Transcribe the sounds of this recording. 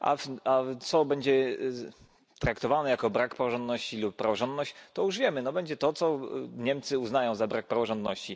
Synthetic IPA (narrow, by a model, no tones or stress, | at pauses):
ʔa̰at̪sɔbɛɲd͡ʑɛ | t̪ɾakt̪ɔvanɛjakɔbɾakpɾavɔʐɔnd̪nɔɕt͡ɕilupːɾavɔʐɔnd̪nɔɕt͡ɕt̪ɔjuʐvʲjɛmɘnɔbɛɲd͡ʑɛt̪ɔt̪sɔɲɛmt̪sɘuznajɔ̃w̃zabɾak̚pɾavɔʐɔnd̪nɔɕt͡ɕi